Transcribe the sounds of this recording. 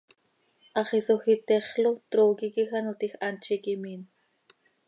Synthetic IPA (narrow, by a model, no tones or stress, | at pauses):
ʔɑχisoxit̪eχlot̪ɾoːkikixanot̪ixʔant͡ʃikimin